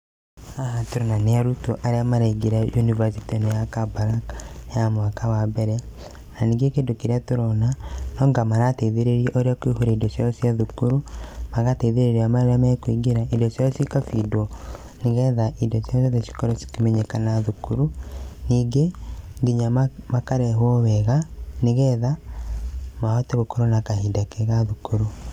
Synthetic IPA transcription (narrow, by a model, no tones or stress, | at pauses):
aɦatoɾonaneaɾutoʔaɾeamaɾaiɡeɾajunivasitinejakabaɾakjamwakawabɛɾɛ | naniːŋɡekeːndokiɾeatoɾɔnanɔːŋɡamaɾateðeɾeɾieʔoɾeakwihuɾaidɔsjaɾɔsiaðukuɾumaɣateðeɾeɾiamaeɾamakwiɡeɾaʔidɔsjajɔsikafidwɔ | niɣɛðaʔidɔsasaðesi̥kɔɾɔsi̥kimɛɲekanaðukuɾuniːɡeŋɡiɲammakaɾɛɦwɔwɛɣaneɣɛːða | maɔteɣokoɾonakaɦiːndakeɣaðukuɾu